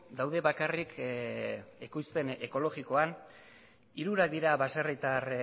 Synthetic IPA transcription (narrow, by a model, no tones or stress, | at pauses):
d̪awðe̞βakarik | ekujspe̞ne̞ko̞lo̞ɣiko̞an | iɾuɾak̚d̪iɾaβasarejt̪ar